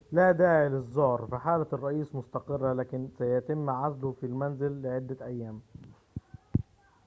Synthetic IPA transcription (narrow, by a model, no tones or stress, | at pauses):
laːd̪aːʕɪlɪzˤːʊhɾfiħaːlaɑrˤːɑʔiːsmʊst̪ɑqɨrːlaːkɪnsajat̪ɪmːʕazlʊhfilmanzɪlːɪʕɪd̪ːaʔajːaːm